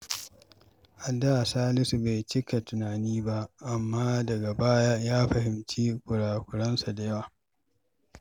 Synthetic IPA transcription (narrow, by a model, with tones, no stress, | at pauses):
ʔa˨dːa˦ʔa˨saː˦lɪ˦su˨ba˨jt͡ʃɪ˦ka˨tʊ˨naː˨niː˦ba˦ʔʔa˨mːaː˦dɐ˨ɡa˨baː˦ja˦jaː˦ɸɐ˨hɪ˨mt͡ʃiː˦kʷʊ˨ɽaː˨kʷʊ˨ɽɐ˦nsa˨da˨jɐ˦waː˨